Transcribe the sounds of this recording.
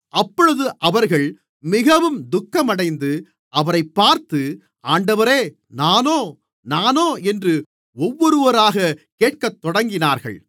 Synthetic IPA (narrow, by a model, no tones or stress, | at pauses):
ʔɐpːɔɻɯðɯʔɐʋɐɾɣɐɭ | mɪɣɐʋɯmd̪ʊkːɐmɐɽɐɪnd̪ɯ | ʔɐʋɐɾɐɪpːaːɾt̪ɯ | aːɳɖɐʋɐɾeː | naːnoː | naːnoːɛndrɯ | ɔʋːɔɾɯʋɐɾaːɣɐkeːʈ̚kɐt̪ːɔɽɐŋɡɪnaːɾɣɐ̰ɭ